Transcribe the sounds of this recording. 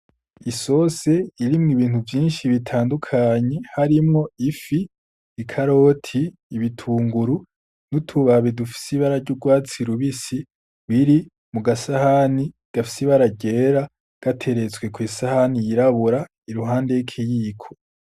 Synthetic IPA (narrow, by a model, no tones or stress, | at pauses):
iso̞se̞iɾimŋiβiːn̥uvjiːnʃiβitʰaːndukʰaɲe̞haɾimŋo̞ifiː | kʰaɾo̞ːtʰiː | βitʰuːŋɡuɾu | nutʰuβaβidufi̥siβaɾaɾɟuɡwaːt͡siɾuβisi | βiɾi | muɡasahani | ɡ̥afi̥siβaɾaɟe̞ːɾa | ɡ̥atʰe̞ɾe̞t͡swe̞kwiːsahanijiɾaβuɾa | iɾuɦaːnde̞ikʰijiːkʰo̞̥